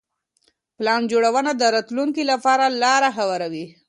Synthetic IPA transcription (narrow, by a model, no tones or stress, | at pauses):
plɑnd͡ʒoɽawənad̪əɾɑt̪luŋkilapɑɾalɑɾaxawaɾawi